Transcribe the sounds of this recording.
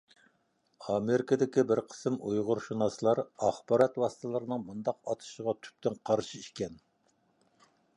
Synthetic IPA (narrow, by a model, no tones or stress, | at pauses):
ɑmeɾɪkʰəd̪ɪkʲibɪɾqʰə̥sɨmʔujʁʊɾʃunɑsɨlˠɑɾɑχbɑɾɑt̪wɑsɨ̥t̪ʰɨlˠɨɾɨnɨŋmund̪ɑqɑt̪ʰɨ̥ʃəʁɑt̪ʰy̥p̚t̪ʰɪnqʰɑɾʃiiʃkʲɛn